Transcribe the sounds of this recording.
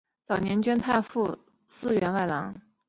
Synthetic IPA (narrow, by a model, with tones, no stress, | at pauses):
t͡sɑ˨˩ʊnjɛ˧˥nt͡ɕɥɛ˥nt̪ʰa˥˧fu˥˧ | sɹ̩˥˧ɥɛ˧˥nwa˥˩ɪlɑ˧˥ŋ